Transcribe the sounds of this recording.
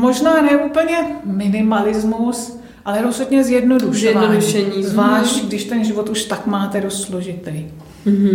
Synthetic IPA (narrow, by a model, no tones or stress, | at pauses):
mo̞ʒnaːnɛʔuːpəɲɛmɪnɪmalɪzmus | ʔalɛɾosoɲɛzjɛdnoduʃɛɛdnoduʃɛɲiːzvlaːʃcɡdɪʃt̪ɛnʒɪvot̪uʃt̪akmaːt̪ɛdost̪sloʒɪt̪ɛj